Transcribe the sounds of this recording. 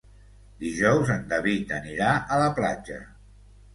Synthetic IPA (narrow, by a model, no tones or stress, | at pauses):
d̪iʒɔwzənd̪əβit̪əniɾaʔələpla̰d͡ʒə